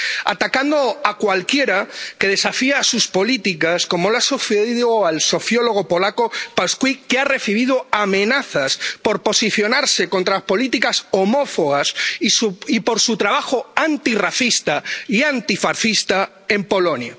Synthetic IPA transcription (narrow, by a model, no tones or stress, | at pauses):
a̰t̪akand̪oakwalkjeɾakeð̞esafiasuspolit̪ikaskomolasuθeðiðoalso̞θjoloɣ̞opolakopaskwikeare̞θiβ̞iðoamẽnaθaspoɾposiθjonaɾsekont̪ɾapo̞lit̪ikasomofoɣassipoɾsut̪ɾaβaxoant̪iraθist̪aiant̪ifaɾθist̪a | empo̞lonja̰